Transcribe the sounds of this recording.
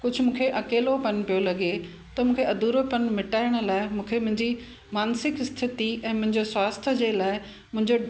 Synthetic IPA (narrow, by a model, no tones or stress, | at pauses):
kʊd͡ʑʱʊmũːkʰeʔɐkeːlopɐnpijolɐɠe | t̪ɐmũːkʰeɐd̪uːɾopɐnmɪʈaːɪɽ̃ə̆laːɪmũːkʰemʊ̃ɦɪ̃ɲd͡ʑi | maːnsɪkst̪ʰɪt̪iɛ̃ːmʊ̃ɦɪ̃ɲd͡ʑoswaːst̪ʰəd͡ʑeːlaːɪ | mʊ̃ɦɪ̃ɲd͡ʑo